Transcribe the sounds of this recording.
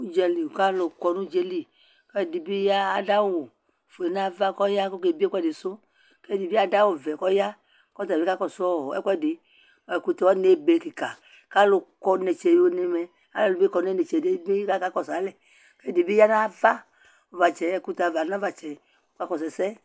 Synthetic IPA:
u˦d͡ʒɛ˧li˨ka˦lo˨kɔ˨nũ˦d͡ʒe˦li˨ | kɛ˦˨di˨bi˦jaː˦˨da˦wo˨ | fo˨e˨nã˦va˦kɔ˦ja˦ko˦ke˨bi˦e˦kɛ˦de˨so˦ | kɛ˦di˨bi˦a˦da˦wo˨vɛ˨kɔ˦ja˦ | kɔ˦t̪̬a˨be˦ka˦kɔ˦sɔ˦˨ɛ˦kɛ˦˨de˨ | ɛ˨ku˧t̪e˨wɔ˦ne˦be˨ki˨ka˨ | ka˦lo˨kɔ˧ne˨t͡ʃe˨jo˨ne˨mɛ˨ | a˨˦lɛ˨lu˨bi˦kɔ˨n˦e˦ne˨t͡ʃe˨de˦bi˦ka˦ka˦kɔ˦˨sa˨˦lɛ˨ | kɛ˦di˨bi˦ja˦nã˦va˦ | o˨va˨t͡ʃɛ˨ɛ˨ku˦t̪a˨va˨nã˦va˨t͡ʃɛ˨˦ | ka˦kɔ˨s̬ɛ˨sɛ˦

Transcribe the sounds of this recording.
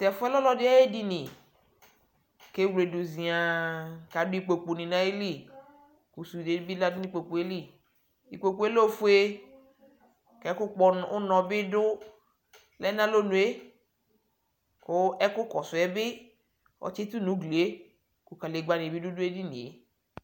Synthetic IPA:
t̪ɛ˨fʊ˦ɛ˦lɔ˦lɔ˦dɪ˦a˦e˦di˦nĩ˨ | ke˦wle˨du˨zĩ˨a˨ka˨dʊ˦i˦k͡po˨k͡pu˨nĩ˨nã˨˦e˦li˦˨ | ku˨su˨de˦bi˦la˦dʊ˦nĩ˦k͡po˨k͡pu˨e˦li˦˨ | i˨k͡po˨k͡pu˦e˦lo˦fu˦e˦ | kɛ˨˦kʊ˦k͡pɔ˧˨ʊ˦nɔ̃˨bɪ˦dʊ˦ | lɛ˦nã˦lo˦nũ˨e˦ | kʊ˦ɛ˦kʊ˦kɔ˨sʊ˨ɛ˦bɪ˦ | ɔ̰˨t͡ʃi˦t̪u˦nũ˨˦ɡle˨e˦ | ku˨ka˨le˨ɡ͡ba˨nĩ˨bi˦dʊ˦dʊ˦e˦di˦nḭ̃˨e˨˦

